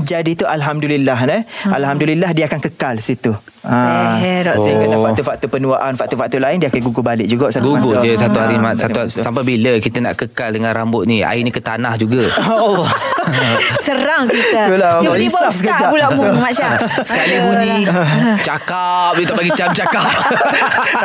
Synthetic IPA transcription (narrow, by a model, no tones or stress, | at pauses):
d͡ʒadit̪uʔalɦamdulilːaɦnəalɦamdulilahdiəakankəkalsit̪u | ãɾɔsakəafakt̪ufat̪upənuaʔanfaʔ̚t̪ufaʔ̚t̪ulaɪndiəakaɡuɡubalɪʔd͡ʒuɡaʔsat̪ɡuɡud͡ʒəsat̪uhaɾimasat̪usampabiləkit̪əna̰ʔkəkaldəŋãnɾambʊt̪̚nia̰inikət̪anahd͡ʒuɡaɔlːɔ | səɾaŋkit̪əkulaibaasəkəd͡ʒapulamumat͡ʃa | sə̥kalibunĩ | t͡ʃaka | p̚jut̪abaɡit͡ʃamt͡ʃakap̚p̚p̚